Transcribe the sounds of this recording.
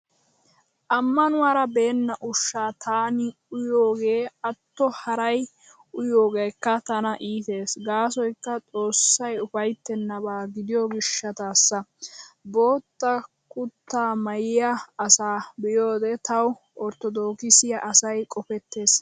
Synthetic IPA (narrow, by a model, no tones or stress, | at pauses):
ʔɐmːɐnʊwaːɾɐbe̞ːnːɐʔʊʃːaːt̪ʰaːnɪ | ʊjoːɡe̞ːɐt̪ːɔhɐɾɐj | ʊjo̞ːɡeːjkːɐt̪ɐnɐʔiːt̪e̞ːsɡaːsɔjkːɐt͡sʼo̞ːsːɐjʊfɐjt̪ːɛnːɐβaːɡɪd̪ɪjɔɡɪʃːɐt̪aːsːɐbo̞ːt̪ːɐ | kʊt̪ːaːmɐjɪjɐɐsaːbɪjo̞ːd̪ɛt̪ɐw | ɔɾt̪ːɔd̪o̞ːkɪsɪjɐʔɐsɐjkʼɔfɛt̪ːe̞ːs